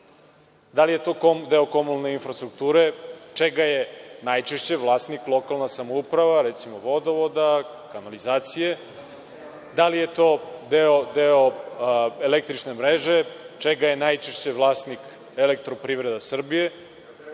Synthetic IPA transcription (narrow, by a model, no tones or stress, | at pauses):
d̪alijet̪o̞ːkod̪eokomunalne̞infɾast̪ɾuk̚t̪uːɾet͡ʂeɡajenajt͡ʃeʃt͡ɕe̞ʋlˠaːst̪niklˠo̞kalˠnasamoupɾaʋaɾet̪simoʋo̞d̪oʋod̪a | kanalizaːt̪sije | d̪alije̞t̪o̞ːd̪eod̪eo | elek̚t̪ɾit͡ʂnemɾeʒe̞t͡ʃeɡajenajt͡ʃeʃt͡ɕeʋlˠaːsnik | elek̚t̪ɾo̞pɾiːʋɾed̪asr̩bije̞